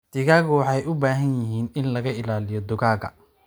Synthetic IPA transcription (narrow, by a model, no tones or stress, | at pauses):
t̪ɪɣaːɣʊwɑħɑjʔʊbaːɦɐnjɪɦiːnɪnlɐɣɐɪlaːlɪjɔd̪ʊɣaːɣɐ̰